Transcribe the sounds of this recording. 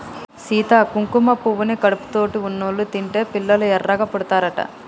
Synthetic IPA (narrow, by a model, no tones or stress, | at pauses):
siːt̪akuŋkumɐpuʋunekɐɽupu̥t̪oːʈiunːolːut̪iɳʈe̞ːpilːɐluɛrːɐɡɐpɔɽut̪aːɾɐʈɐ̰